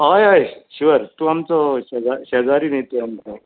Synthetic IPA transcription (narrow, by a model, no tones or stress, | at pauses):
ɦajɦajɕiʋəɾt̪uamt͡sɔɕɛd͡zaɕɛd͡zaɾiːnet̪eamt͡sɔ